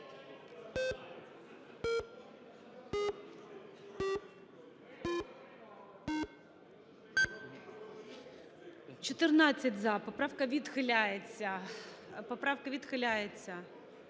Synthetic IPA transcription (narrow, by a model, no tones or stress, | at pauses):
t͡ʃɔt̪ɪrnɑt͡sʲːɐtʲzɐpɔpɾɑwkɐʋʲid̪xɪlʲajet͡sʲːɐ | pɔpɾɑwkɐʋʲid̪xɪlʲajet͡sʲːɐ